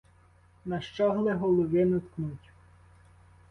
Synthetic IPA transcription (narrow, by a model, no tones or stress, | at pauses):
nɐʃt͡ʃɔɦlˠɛɦɔlˠɔʋɪnʊt̪knutʲ